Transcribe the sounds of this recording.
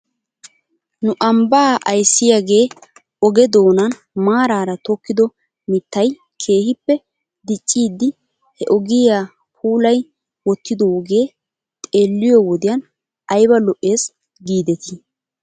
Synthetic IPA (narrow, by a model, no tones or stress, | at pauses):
nʊʔɐmbaːʔɐjsːɪjaːɡe̞ː | ɔɡɛd̪o̞ːnɐn | maːɾaːɾɐt̪ɔkːɪd̪ɔ | mɪt̪ːɐj | kʰe̞ːhɪpːɛ | d̪ɪt͡ʃʼːiːd̪ːɪ | hɛʔɔɡɪjaː | pʰuːlɐj | wɔt̪ːɪd̪ɔwɔɡe̞ː | t̪ʼe̞ːlːɪjɔwɔd̪ɪjan | ɐjbɐlɔʔːe̞ːs | ɡiːd̪ɛt̪ɪ